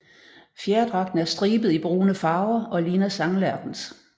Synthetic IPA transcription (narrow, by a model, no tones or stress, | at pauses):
fjæɐd̥ʁɑ̈ɡ̥d̥n̩æɐsd̥ʁiːb̥ð̩ˠib̥ʁuːnəfɑ̈ːʊɐɒ̽liːnæsɑ̈ŋlæɐd̥n̩s